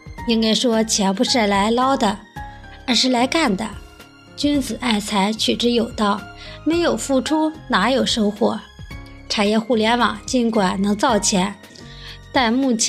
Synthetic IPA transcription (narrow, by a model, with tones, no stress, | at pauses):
i˥ŋka˥ɪʂwɔ˥t͡ɕʰjɛ˧˥npu˧˥ʂa˥˩la˧˥ɪlɑ˥ʊd̪ə˨ə˞˧˥ʂɻ̩˥˩la˧˥ɪka˥˩nd̪ə̰˩ | t͡ɕy˥nt͡sɹ̩˨˩ʔa˥˩ɪt͡sʰa˧˥ɪt͡ɕʰy˨˩ʈ͡ʂɻ̩˧˥jo˨˩ʊt̪ɑ˥˩ʊme˧˥ɪjo˨˩ʊfu˥˩ʈ͡ʂʰu˥na˧˥jo˨˩ʊʂo˥ʊxwɔ˧˥ʈ͡ʂʰa˨˩njɛ˥˧xu˥˩ljɛ˧˥nwɑ˨˩˦ŋt͡ɕi˧˥nkwa˨˩nnɤ˧˥ŋt͡sɑ˥˩ʊt͡ɕʰjɛ˧˥n | t̪a˥˧nmu˥˩t͡ɕʰ